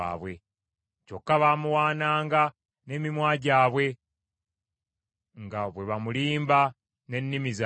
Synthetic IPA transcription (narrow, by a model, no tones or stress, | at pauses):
a̰ːβwe̞ | co̞kːaβaːmuwaːnaːŋɡa | ne̞ːmimwaːɟaːβwe̞ | ŋɡaβwe̞βamuliːmba | ne̞nːimiza